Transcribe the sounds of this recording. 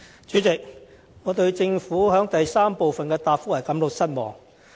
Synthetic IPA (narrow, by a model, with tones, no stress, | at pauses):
t͡ʃyː˨˥t͡sɪ˨k̚ | ŋɔː˨˧t̪ɵ˧ɥt͡sɪ˧ŋfuː˨˥ɦœː˨˥ŋt̪ɐ˨jsaː˥mpo˨wfɐ˨nkɛː˧t̪aː˨p̚fʊ˨˥lɐ˨˩jkɐ˨˥mlʊ˨k̚sɐ˥t̚mɔ̰ː˨ŋ